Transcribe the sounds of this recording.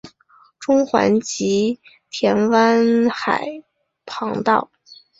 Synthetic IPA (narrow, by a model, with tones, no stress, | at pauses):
ʈ͡ʂʊ˥ŋxwa̰˧˥nt͡ɕi˧˥ | t̪ʰjɛ˧˥nwa˥nxa˨˩ɪ | pʰɑ˧˥ŋt̪ɑ̰˥˩ʊ